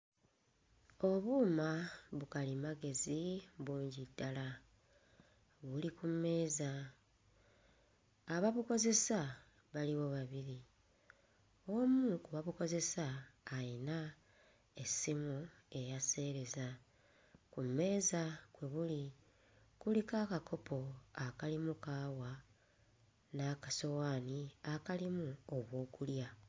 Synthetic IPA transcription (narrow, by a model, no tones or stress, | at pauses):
o̞βuːmaβukalimaɡe̞ziβuːɲɟidːala | βulikumːe̞ːza | βaβuko̞ze̞sa | βaliβo̞βaβiɾi | o̞mukuβaβuko̞ze̞saːina | e̞simue̞jase̞ːɾe̞za | kumːe̞ːzakwe̞βuli | kulikaːkakʰo̞po̞akalimukaːwa | nakaso̞waːniakalimuoβwo̞ːkulja